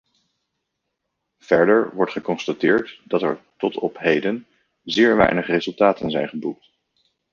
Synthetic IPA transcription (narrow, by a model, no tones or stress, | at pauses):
v̥ɛɹdəɹʋɔɹtχəkɔnstatɪːɹtdɑtɛ̰ɹtɔtɔpɦejdən | zɪːɹʋɛ̰jnəχrezɵlˠtaːtənzɛjnχəbuk̚t